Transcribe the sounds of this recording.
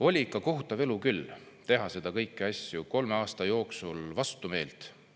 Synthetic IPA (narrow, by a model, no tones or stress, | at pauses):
o̞lʲikːˑɑko̞ɦut̪ːˑɑve̞lukylː | t̪e̞ɦɑse̞d̪ɑkɤjkːˑiɑsʲjuko̞lmeɑːst̪ɑjo̞ːksulvɑst̪ume̞ːlt̪